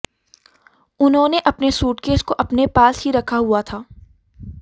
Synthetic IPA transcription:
ʊnɦõːneʔɐpnesuːʈkeːskoʔɐpnepaːsɦiɾɐkʰaɦuat̪ʰaː

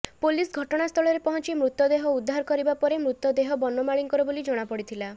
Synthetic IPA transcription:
polisɡʱɔʈɔɽ̃ast̪ʰɔɭɔɾepɔɦɔnt͡ʃimɾut̪ːɔd̪eɦɔud̪ʱːaɾɔkɔɾibapɔɾemɾut̪ːɔd̪eɦɔbɔnɔmaɭiŋkɔɾɔbolid͡ʒɔɽ̃apɔɽit̪ʰila

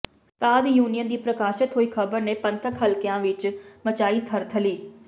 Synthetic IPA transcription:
saːd̪juːnijənd̪iːpɾəkaːʃɪt̪ɦoːiːkʰəbəɾneːpə̃nt̪əkɦəlkɪjãːʋɪt͡ʃmət͡ʃaːiːt̪ʰəɾt̪ʰəliː

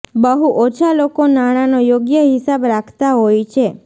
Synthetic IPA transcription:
bəɦuʔot͡ʃʰalokonaɽ̃anojoɡjəɦisabɾakʰt̪aɦojt͡ʃʰe

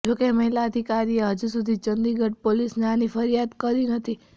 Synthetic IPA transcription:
d͡ʒokeməɦilaəd̪ʱikaɾieɦəd͡ʒusud̪ʱit͡ʃənd̪iɡʱəʈ̚polisneanifəɾijad̪kəɾinət̪ʰi

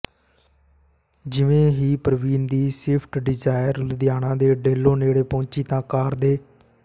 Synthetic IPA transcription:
d͡ʒɪʋẽːɦiːpəɾʋiːnd̪iːseːpʰʈɖɪd͡ʒaːɪɾld̪ɪjaːnãːd̪eːɖeːlːõːneːɽeːpõːt͡ʃiːt̪ãːkaːɾd̪eː

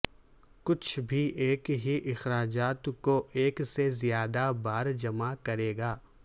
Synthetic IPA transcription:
kʊt͡ʃʰbʱiʔeːkɦiʔɪxɾaːd͡ʒaːt̪koʔeːksezijaːd̪abaːɾd͡ʒɐmakɐɾeːɡaː

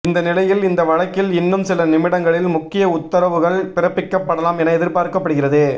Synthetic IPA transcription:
ɪnd̪ɐnɪlɐjɪlɪnd̪ɐʋɐɻɐkːɪlɪnːɯmsɪlɐnɪmɪɽɐŋɡɐɭɪlmʊkːɪjɐʊt̪ːɐɾɐʋɯɣɐɭpɪɾɐpːɪkːɐpːɐɽɐlaːmɛnɐɛðɪɾpaːɾkɐpːɐɽɯɣɪrɐðɯ

